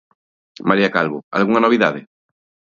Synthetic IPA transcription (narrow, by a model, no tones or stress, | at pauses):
maɾiakalβoa̰lɣuŋanoβiða̰ðɪ